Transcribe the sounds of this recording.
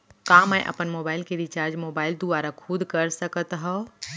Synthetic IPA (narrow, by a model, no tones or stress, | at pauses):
kamə̃jʔə̰pənmoːbaːɪlkeɾit͡ʃaːɾd͡ʒmoːbaːɪld̪uaɾakʰʊd̪ʱkəɾsəkət̪ɦɔ